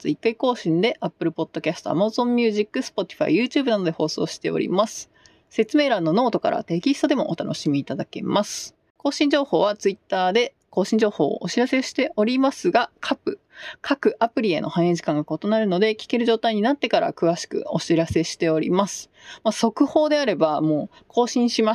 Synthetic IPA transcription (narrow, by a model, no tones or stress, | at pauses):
t͡sɨikːaiko̞ːɕĩnd̪e̞ʔapːɯ̟ɾɯ̟po̞d̪̥ːo̞kʲasɨ̥t̪o̞̰a̰mazõ̞mːʲjɨːʑikːɯ̟sɨ̥po̞t̪ʲi̥ɸa̰ḭjɯ̟ːt͡ɕɨ̟ːbɯ̟nano̞d̪e̞ho̞ːso̞̰ːɕi̥t̪e̞o̰ɾʲḭmasɨ̥ | se̞t͡sɨme̞ːɾãnːo̞no̞ːt̪o̞ka̰ɾa̰t̪e̞kʲist̪o̞d̪e̞mo̞̰ʔo̰t̪ano̞̰ɕimʲiːt̪ad̪ake̞masɨ̥ | ko̞ːɕĩɲ̟d͡ʑo̞ːho̞ːβat͡sɨit̪ːaːd̪e̞ | ko̞ːɕĩɲ̟d͡ʑo̞ːho̞̰ːo̰ʔoɕiɾase̞ɕi̥t̪e̞ʔo̞ɾʲimasɨɡakʰapːɯ̟ | kʰakɯ̟ʔapɯ̟ɾʲie̞̰nʔo̞hãɰ̃eʑi̥kãŋɡako̞t̪o̞naɾɯ̟no̞d̪e̞kʲi̥ke̞ɾɯ̟ʑo̞ːt̪aiɲ̟inat̪ːe̞kaɾa̰kɯ̟βaɕi̥kɯ̟̰o̞ɕiɾase̞ɕi̥t̪e̞o̞ɾʲḭmasɨ̥ | maso̞kɯ̟ho̞ːd̪e̞aɾe̞bamo̞ː | kʰo̞ːɕĩɰ̃ɕima